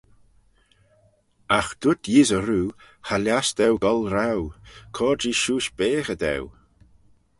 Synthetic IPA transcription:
axd̪̥ʊt̪ʰjizəɾuː | halʲjasd̪ɛwɡɔlɾawkʰɔːd͡ʒiʃuːʃb̥eːxəd̪ɛ̰w

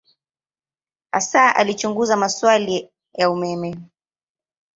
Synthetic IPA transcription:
asaʔa̰lit͡ʃuŋɡuzamaswali | jaumɛmɛ

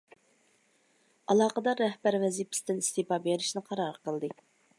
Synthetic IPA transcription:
ɑlˠɑːqəd̪ɑɾɛhbæɾvɛzipʰɪ̥st̪ɪnist̪epɑbeɾɪʃnɪqʰɑɾɑɾəqəlˠd̪ɨ

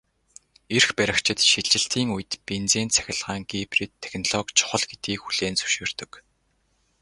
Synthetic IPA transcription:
erxpæɾʲɪ̆kt͡ɕʰɪ̆t̪ʃiɮɪ̆ɬt̪iːŋuj̆t̪pent͡seːnt͡sʰæ̥xʲɪ̆ɮʁaːŋɡiprit̪ʰːe̥xnɔɮɔkt͡ɕʰʊ̥χə̆ɮɡet̪ɡiːkxuɮ̥eːnsɵ̥ʃeːr̥t̪ɵ̆k

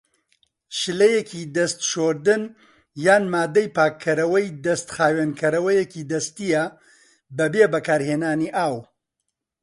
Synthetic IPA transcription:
ʃɨlɐjecʰid̪ɐst̪ʃoːɾd̪ɨn | jaːnmaːd̪ɐjpaːkʰːɐɾɐwɐjd̪ɐst̪xaːweːnkʰɐɾɐwɐjecid̪ɐst̪ijɐ | bɐbeːbɐkaːɾheːnaːniːʔaːw

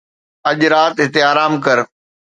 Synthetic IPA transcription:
ɐʄɾaːt̪ɦɪt̪eaːɾaːmkɐɾ

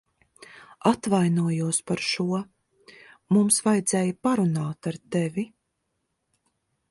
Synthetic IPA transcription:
at̪vajnuɔjuɔspaɾʃuɔ | mumsvajd̪zɛːjapaɾunaːt̪aɾt̪ɛvʲi

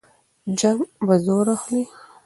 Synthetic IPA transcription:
d͡ʒambazoɾaxli

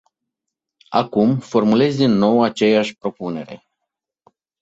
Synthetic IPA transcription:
a̰kumfo̞rmule̞zʲd̪inːo̞wat͡ʃe̞jaʃʲpɾo̞pune̞ɾe̞̰

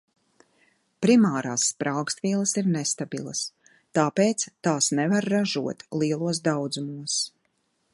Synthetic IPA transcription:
pɾimaːɾaːsːpɾawkst̪viɛlˠɐsiɾnɛst̪abḭlˠɐ̰s | t̪aːpeːt̪st̪aːsnɛvaɾːaʒuɔt̪lˠiɛlˠuɔs̬d̪awd̪zumuɔs

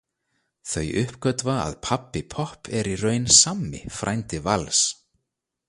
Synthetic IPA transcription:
θœɥjʔʏhpkœt̪vaa̰ðpʰapːɪpʰɔhpʰɛɾirœːɥnsamːɪ̰fɾʔajnt̪ɪvals

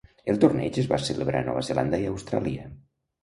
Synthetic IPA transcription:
elˠt̪urnɛt͡ʃezβaseleβɾʔa̰nɔ̰βəzeland̪əiəwst̪ɾa̰liə

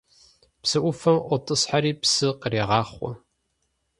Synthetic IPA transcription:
psɨʔʷʊfɐmʔʷɔtʼɨsħaɾiːpsɨqəreːʁɑːχʷɔ̰

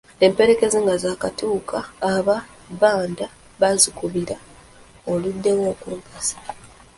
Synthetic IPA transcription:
e̞mpe̞ɾe̞ke̞zeŋɡazaːkatuːkʰaːβa | βaːnda | βazikuβiɾa | oludːe̞wo̞ːkuupasḁ

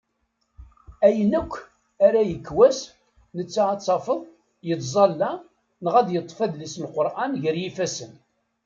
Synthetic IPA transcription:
æjənækʷː | æɾæjəkːwæs | nət͡sːaɑt͡sːɑfəðˤ | jət̪zˤɑlːæ | nəʁæd̪jət̪ˤːfæðlisənqoɾˤʔanʝəɾjifæsən

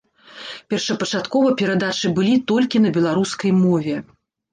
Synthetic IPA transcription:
pʲɛrʂɐpɐt͡ʂat̪kɔvɐpʲɛɾad̪at͡ʂɨbɨlʲit̪ɔlʲkʲinɐbʲɛlˠaɾuskɐjmɔvʲɛ

